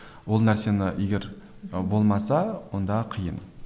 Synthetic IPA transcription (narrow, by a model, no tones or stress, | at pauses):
wo̞lˠnæɾse̞nɪeɡʲe̞ɾbo̞lˠmɑsɑwo̞nd̪ɑqʰəjən